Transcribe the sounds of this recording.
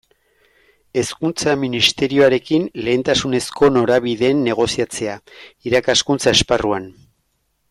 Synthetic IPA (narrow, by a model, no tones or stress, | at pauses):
e̞skunt͡saminist̪e̞ɾio̞aɾe̞kinle̞ːnt̪asune̞sko̞no̞ɾaβiðe̞ːnːe̞ɣ̞o̞siat͡se̞aiɾakaskunt͡sae̞sparuan